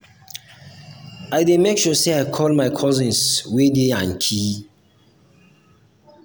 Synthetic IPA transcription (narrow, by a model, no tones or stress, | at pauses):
aɪdemekʃuseaɪkʰɔlmaɪkʰɔzɪ̃nswedeãnkʰi